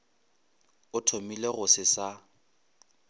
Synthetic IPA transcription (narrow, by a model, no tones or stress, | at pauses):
ʊtʰomileɣʊsɪsa